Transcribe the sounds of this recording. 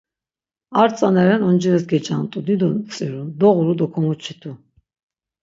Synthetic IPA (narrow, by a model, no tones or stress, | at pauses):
aɾt͡sʼanɛɾɛnɔnd͡ʒiɾɛsɡɛt͡ʃʼant̪ʼud̪id̪ɔt͡sʼiɾud̪ɔʁuɾud̪ɔkʰɔmut͡ʃʰit̪ʰu